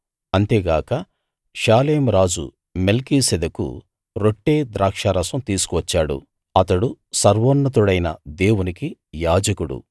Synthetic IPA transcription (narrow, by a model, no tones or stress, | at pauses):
ɐnt̪e̞ːɡaːkɐ | ʃaːleːmɾaːd͡ʒṵ | melkiːsɛd̪ɐkṵ | ɾo̞ʈːeːd̪ɾaːkʂaːɾɐsɐmt̪iːsu̥kuʋɐt͡ʃːaːɽṵ | ɐt̪ɐɽusɐɾʋoːnːɐt̪̬uɽɐjnɐd̪eːwunikijaːd͡ʒɐkuɽṵ